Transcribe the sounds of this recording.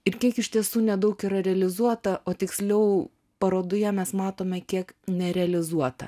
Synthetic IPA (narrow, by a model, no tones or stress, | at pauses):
ɪɾkʲiɛkɪʃʲt̪ʲiɛsuːnʲɛd̪ɐʊkiːɾɐɾʲɛɐlʲɪzuɔt̪ɐʔoːt̪ʲɪksʲlʲɛʊ | pɐɾoːd̪ʊjɛmʲɛsmɑːt̪oːmʲɛkʲiɛknʲɛɾʲɛɐlʲɪzuɔt̪ɐ̰